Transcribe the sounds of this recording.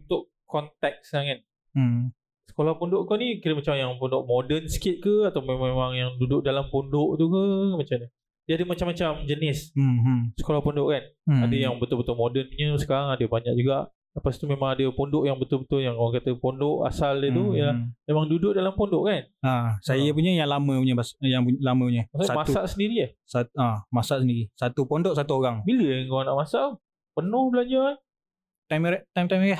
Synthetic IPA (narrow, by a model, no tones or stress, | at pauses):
unt̪ʊʔ | kɔnt̪ɛk̚saŋan | sə̥kolahpondʊʔkonikiɾəmat͡ʃamjaŋpondʊʔmodənsə̥kɪt̪̚kəat̪awmememaŋjaŋdudʊʔ̚dalampondʊʔt̪ukəmat͡ʃamɲə | d͡ʒadəmat͡ʃamːat͡ʃamd͡ʒənɪs | sə̥kolahpondʊʔkanadəjaŋbət̪ʊlbət̪ʊlmodənɲə̃sə̥kaɾaŋadəbaɲak̚d͡ʒuɡaʔ | ləpast̪umemãŋadəpondʊʔjaŋbət̪ʊlbət̪ʊljaŋkawaŋkat̪əpondʊʔa̰saldət̪uiəlahmemaŋdudʊʔ̚dalampondʊʔkanasajap̬uɲajaŋlamə̃puɲə̃basjaŋpulamə̃puɲə̃maksamasuaʔsəndiɾiəsatamasaʔsəndiɾisat̪upondʊʔsat̪uoɾaŋbiləŋkoanaʔmasaʔ | pənʊhbəlaɲd͡ʒaan | t̪ajmʔt̪ajmt̪ajmɛ